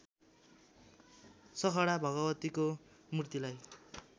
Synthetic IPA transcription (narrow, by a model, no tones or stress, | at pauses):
sʌkʰʌɽabʱʌɡʌbʌt̪iko | murt̪ilaj